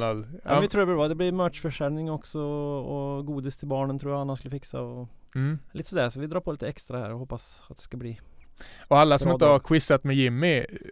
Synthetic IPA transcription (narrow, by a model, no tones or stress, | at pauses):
ʋɪt̪ʰɾuːɾbəɾʋɑd̪ɛblɪɾmøːt͡ʃfœʂæɾnɪŋɔksɔɔɔɡuːd̪ɪst̪ʰɪlbɑːɳənt̪ʰɾuːɾjaɑnɑnskʉləfɪksɑ̰ɔ | lɪt̪ːsɔmd̪ɛsɔʋɪd̪ɾɑːɾpʰɔlɪt̪əɛkst̪ɾɑhæ̰ːɾɔhoːpːɑsɑt̪̚d̪ɛ̥skɑbliː | ɔɑlːasɔmɪd̪t̪əhɑɾkʰwɪsɑt̪mɛjɪmːɪ